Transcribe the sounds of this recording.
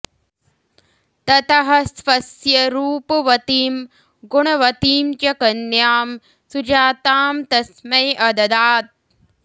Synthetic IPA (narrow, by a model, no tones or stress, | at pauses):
t̪ɐt̪ɐɦɐsfɐsjɐɾuːpɐʋɐt̪iːm | ɡuɳɐʋɐt̪iːmt͡ʃɐkɐnjaːm | sud͡ʒaːt̪aːmt̪ɐsmɐjʔɐd̪ɐd̪aːt̪̚